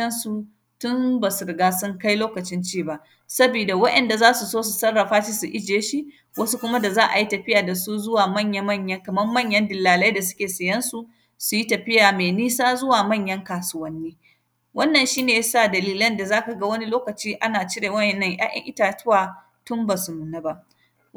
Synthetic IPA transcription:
ɐ˦nsu˨ | tʊ˦mba˨sʊ˨ɾɡaː˦sʊ˦ŋka˦jloː˦kɐ˨t͡ʃɪ˦nt͡ʃiː˦˨ba˦˨ʔ | sɐ˦biː˨da˨wɐ˦ʔɛ˨nda˨zaː˦su˨soː˦s̬u˨sɐ˦rːɐ˨ɸaː˦ʃi˦su˨ʔɪ˦d͡ʒeː˨˦ʃi˦ʔ | wɐ˦su˦kʷʊ˦ma˦da˨zaː˦ʔa̰˨ji˦tɐ˨ɸɪ˦jaː˨da˨su˦zʊ˦waː˨mɐ˦˨ɲjɐ˦mɐ˦˨ɲjɐ˦ŋkɐ˨mɐ˦rmɐ˦˨ɲjɐ˦ndɪ˨lːaː˨lɐ˦jda˨sʊ̥˦kʲeː˨sɐ˨jɐ˦nsu˨ | su˨ji˦tɐ˨ɸɪ˦jaː˨me˨niː˦saː˦zʊ˦waː˨mɐ˦˨ɲjɐ˦ŋkaː˨sʊ˦wɐ˦nːiː˦ | wɐ˦nːɐ˨nʃiː˦neː˨ja˦saː˦˨dɐ˨liː˦lɐ˦nda˨zaː˦ka˨ɡa˦wɐ˦ni˦loː˦kɐ˨t͡ʃiː˦ʔa˦naː˨t͡ʃɪ˦ɽeː˨wɐ˦ʔɛ˨nːɐ˦ŋjʔa̰ː˦jʔɐ̰˦ŋʔɪ̰˦taː˨tʊ˦waː˨ | tʊ˦mbaː˨su˨nuː˨naː˦ba˦ʔ

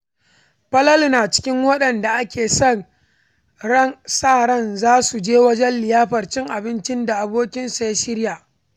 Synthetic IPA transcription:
ɸɐ˦lɐ˦lnaː˨t͡ʃɪ̥˦kʲɪ˦ŋwɐ˦ɗɐ˨nda˨ʔa˦kʲeː˨sɔ˦˨n | ɽɐ˦nsaː˦˨ɽɐ˦˨nzaː˦su˨d͡ʒeː˦wɐ˦d͡ʒɛ˦nlɪ˨jaː˦ɸɐ˨rt͡ʃɪ˦ŋʔa˨bɪ˦nt͡ʃɪ˦nda˨ʔa˨boː˦kʲɪ˦nsa˨ja˦ʃɪ˦ɽjaː˨ʔ

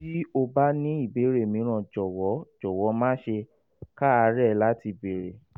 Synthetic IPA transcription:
ti˦o˧ba˦nĩ˦i˦˨be˨˦ɾe˦˨mĩ˨˦ɾ̃ã˨d͡ʒɔ˨wɔ˨˦d͡ʒɔ˨wɔ˨˦mãː˦ʃe˧ | ka˦a˧ɾɛ˦˨la˦ti˧be˨ɾe˨

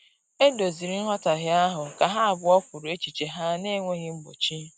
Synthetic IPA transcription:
e˦do˨zi˨ɾi˦n̩˦ɦɔ˦ta˨ɣɪ˦a˦ɦʊ˨ka˨ɦa˦a˨bʊ˨˦ɔ˦kʷʊ˨ɾo˨e˦t͡ʃi˨t͡ʃe˨ɦa˦ne˦ŋʷe˦ɣɪ˦m̩˦bo̰˨t͡ʃi˦

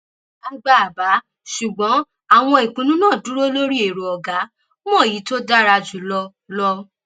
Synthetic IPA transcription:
a˦˧ɡ͡ba˨a˨ba˨˦ | ʃu˨ɡ͡bɔ̃˨˦ | a˦˨w̃ɔ̃˧i˨kũ˨˦nũ˦nãː˦˨du˨˦ɾo˦lo˦ɾi˦e˨ɾo˨ɔ˨ɡa˨˦ | mɔ̃˦˨ji˨˦to˦da˦ɾa˧d͡ʒu˨˦lɔ˧ | lɔ˧

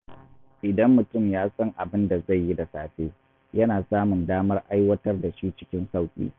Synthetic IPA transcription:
ʔɪ˨dɐ˦mːʊ˨tʊ˦˨mjaː˦sɐ˦ŋʔa˨bɪ˦nda˨za˦˨jːi˦da˨saː˨ɸeː˦ | jɐ˦naː˨saː˦mʊ˨ndaː˦mɐ˦rʔa˦jwɐ˦tɐ˦rda˨ʃiː˦t͡ʃɪ̥˦kʲɪ˦nsa˦wkʲʼḭː˦

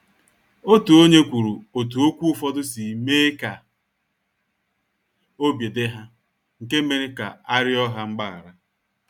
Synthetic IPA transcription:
o˦tu˨o˦ɲe˦kʷu˨ɾu˨o˨t̬u˨o˦kʷu˦ʊ˦fɔ˦dʊ˦si˨me˦ka˨ | o˦bje˨dɪ˦ɦa˦ | ŋ̩˨ke˦me˦ɾe˦ka̰˨a˦ɾɪ˦ɔ˦ɦa˦ŋ͡m̩˦ɡ͡ba˦˨a̰˨ɾa˦

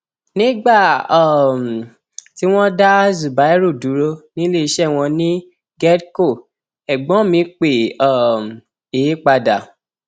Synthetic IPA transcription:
nĩ˦ɡ͡ba˦˨˦m˨ | ti˦w̃ɔ̃˦da˦zu˨ba˨˦ɛ˦ɾu˦˨du˨˦ɾo˧nĩ˦le˦˨i˧ʃɛ˦˨w̃ɔ̃˧nĩ˦ | ɡɛ˦dko˦˨ | ɛ˨ɡ͡bɔ̃˨˦mĩ˧˦k͡pe˨ɔ˨m˨ | e˨˦k͡pa˧da˨

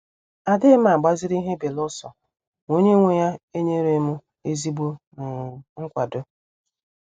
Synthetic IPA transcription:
a˨dɪ˦m˦a˨ɡ͡ba˦zɪ˦ɾi˦ɦe˦be˨lɔ˦sɔ˨ | ŋo˦ɲe˦ŋʷe˨ja˦e˦ɲe˦ɾe˦mʊ˦ | e˦zi˦bo˦nʊ˨ŋ̩˦kʷa˨dʊ˦

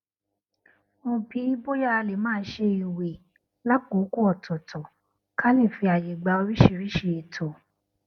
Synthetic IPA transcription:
mõ˧˨pi˨˦bo˦ja˦a˧le˨mãː˦˧n̩˦ʃe˧i˨we˨ | la˦k͡po˨˦ku˦ɔ˨tʰɔ˨tʰɔ˨ | ka˦le˦˨fi˧a˨je˨ɡ͡ba˨˧o˧ɾi˦ʃi˦˨ɾi˦ʃe˧e˨tʰɔ˨

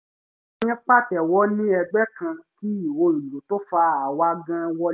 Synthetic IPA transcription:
j̃ɛ̃˦k͡pa˦˨tɛ˨wɔ˦nĩ˦ɛ˧ɡ͡bɛ˦kã˧ki˦i˨o˧˦i˨lo˨˦to˦fa˧a˨wa˧˦ɡã˦wɔ˦

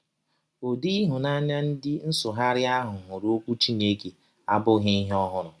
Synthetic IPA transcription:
o˨di˦ɦʊ˨na˦ɲa˦n̩˦dɪ˦n̩˦sʊ˨ɦa˦ɾɪ˦a˦ɦʊ˨ɦʊ˨ɾo˦kʷu˦t͡ʃi˦ne˦ke˨ | a˦bʊ˦ɦa˦i˦ɦɔ˦ɦʊ˦ɾʊ˨

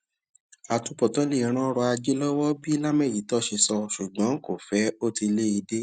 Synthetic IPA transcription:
a˨tu˧pɔ˨tɔ˨˦le˦˨˧ɾ̃ã˦ɾɔ˧a˧d͡ʒe˦lɔ˦wɔ˦bi˦la˦mɛ̃˦˨ji˨˦tɔ˦ʃe˧sɔ˧ʃu˨ɡ͡bɔ̃˨˦ko˦˨fɛ˨˦o˦ti˧le˦i˧de˦

